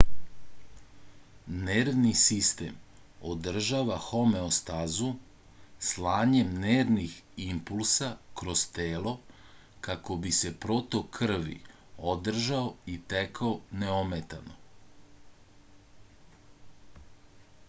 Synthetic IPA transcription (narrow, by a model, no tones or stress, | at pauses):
neɾʋnisist̪e̞̰m | od̪r̩ʒaʋaxo̞me̞ost̪azu | slˠaːɲe̞mneːɾniximpulˠsakɾost̪eːlo̞ | kako̞bise̞pɾo̞t̪o̞kʰr̩ʋḭ | od̪r̩ʒaoit̪ekaoneomet̪ano